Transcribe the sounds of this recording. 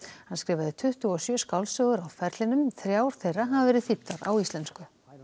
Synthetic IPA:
hanskɾɛːvaðɪt̪ʰʏht̪ʏɔsjœːskawlsœːɣʏɾawfɛɾt̪lɪnʏmθɾjaːwɾ̥θejraɦavvɛːɾɪθit̪ːaɾa̰wist̪ɛnskʏ

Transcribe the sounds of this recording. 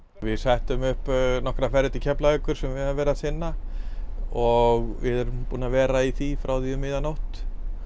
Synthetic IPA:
vɪðsajht̪ʏmʏhpnɔhkɾafɛɾɪt̪icʰɛplaʏkʏɾ̥sɛmvɪðavɛːɾaθɪnːa | ɔɣvɪ̰ðɛɾʏmpuːnavɛːɾaiθifɾawθiʏmɪːðanowht̪

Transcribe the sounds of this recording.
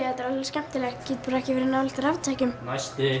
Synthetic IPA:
ɛt̪ːaɾalscɛm̥t̪ɪlɛɣcʰːɪt̪̚puɾɛhcɪvɪɾɪnːaɔl̥t̪ɪɾavt̪ʰacʏmnajst̪ɪ

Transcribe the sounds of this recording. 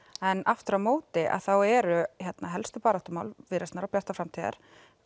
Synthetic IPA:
ɛnaft̪ʏɾamoːwt̪ɪʔa̰ðθawɛɾʏçɛt̪naɦɛlst̪ʏpaːɾat̪ʏmaːwlvɪɾɪst̪aɾawpjar̥t̪afɾamt̪ʰiːða̰ɾ̥

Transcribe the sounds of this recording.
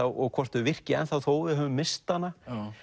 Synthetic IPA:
awɔɣkʰɔr̥t̪ʏvɪr̥cɪɛ̰nθawθoːwðɪɦœːvʏmːɪst̪anːa

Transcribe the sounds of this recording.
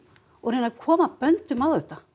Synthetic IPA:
ɔɣɾenaɾkʰɔːmapœnt̪ʏmawðʏht̪a

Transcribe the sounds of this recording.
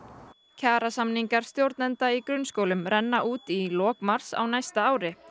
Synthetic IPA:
cʰaːɾasamniŋkaɾ̥st̪jowɾt̪nant̪aikɾʏnskowlʏmɾɛnːaʔuːt̪ilɔːkmaɾ̥sa̰wnajst̪aaːwɾɪ

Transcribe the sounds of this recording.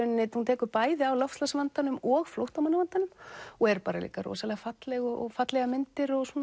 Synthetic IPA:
ʏnːɪt̪hunt̪ʰɛːkʏɾpaːjðɪawlɔwfslasvant̪anʏmɔɣflowht̪awmanːaant̪anʏmɔɣɛɾpaːɾalḭːkaɾɔ̰salɛɣafat̪lɛɣɔɔfat̪lɛɣamɪnt̪ɪɾɔɣsuɔn

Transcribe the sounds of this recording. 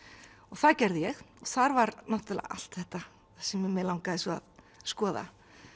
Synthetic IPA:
ɔɣθacɛɾðɪjɛx | ɔɣθaɾvaɾnaht̪ʏlɛ̰a̰a̰l̥t̪θɛht̪a | θɛsɛmɪmɛlawŋkaðɛsɔa̰ð | skɔːða̰

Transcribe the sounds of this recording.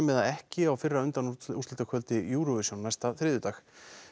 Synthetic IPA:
mɛðaðɛhcɪawfɪrːaʏnt̪anust̪ɛlnt̪akʰvœlt̪ɪjuːɾɔvɪsjownːajst̪aθɾɪːðʏt̪aːx

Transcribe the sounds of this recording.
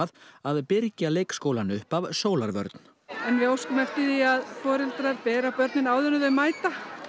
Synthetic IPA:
ðaðpɪɾcaleːjkskoːwlanʏhpavsoːwlaɾvœ̰ɾt̪n̥ | ɛnvɪowskʏmɛft̪ɪðiaðfɔːɾɪlt̪ɾaɾpɛːɾapœɾt̪nɪnaːwðʏnʏðœjmaːjt̪a

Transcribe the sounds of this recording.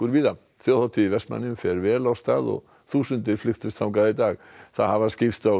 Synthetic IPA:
kʏɾviːða | θjowθawt̪ʰiivɛst̪ma̰nːɪmfɛɾvɛːlawst̪a̰ːðɔ̰ɣ | θuːsʏnt̪ɪɾ̥flʏxt̪ʏst̪θawkaːðɪɾt̪aːɣθaðhavascɪft̪aw

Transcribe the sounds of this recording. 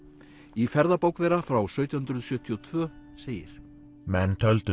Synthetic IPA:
ifɛɾðapoːwkvejɾafɾawsœːɥt̪jʏhʏnt̪ɾʏðsjœːt̪ʰiɔt̪ʰvœːseːjɪ̰ɾ̥ | mɛnt̪ʰœlt̪ʏ

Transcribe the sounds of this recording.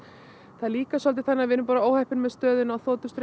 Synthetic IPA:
θaðliːkasɔlt̪ɪθanːavɪnʏmpaːɾaoːwhɛhpɪnmɛðst̪œːðʏnawθoːt̪ʏst̪ɾ

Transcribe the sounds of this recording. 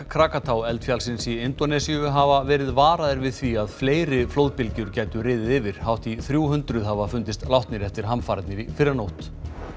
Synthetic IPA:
kʰɾaːkat̪ʰawɛlt̪fjalsɪnsiɪnt̪ɔnɛsiʏɦavavɛːɾɪðvaːɾaðɪɾvɪð̥θviaðfleːjɾɪfloːwðpɪlcʏɾcaːjt̪ʏɾɪːðɪðɪvɪɾ̥hawht̪iθɾjuːhʏnt̪ɾʏðhavafʏnt̪ɪst̪lawht̪nɪɾɛft̪ɪɾ̥ɦamfaːɾat̪nɪɾifɪɾːanowht̪

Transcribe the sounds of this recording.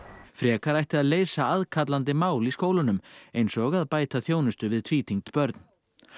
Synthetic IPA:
fɾjɛːkaɾajht̪ɪaðleːjsaaðkʰat̪lant̪ɪmaːwliskoːwlʏnʏmejnsɔɣaðpaːjt̪aθjoːwnʏst̪ʏvɪðt̪ʰviːt̪ʰiŋt̪pœɾt̪n̥

